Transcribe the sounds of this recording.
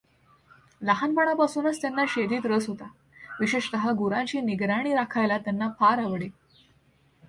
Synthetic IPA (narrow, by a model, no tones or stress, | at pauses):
laɦanpaɽapasuːnət͡st̪janːaɕed̪iːt̪ɾəsɦot̪a | ʋiɕeʂt̪əɦaɡuɾãɲt͡ɕiːniɡɾaɽ̃iːɾakʰajlat̪janːafaɾaʋɽe